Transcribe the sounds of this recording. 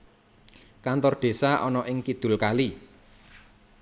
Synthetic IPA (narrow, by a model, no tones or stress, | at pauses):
kant̪ɔrɖ̪̥e̤saʔɔnɔʔɪŋkid̪̥ʊ̤lkali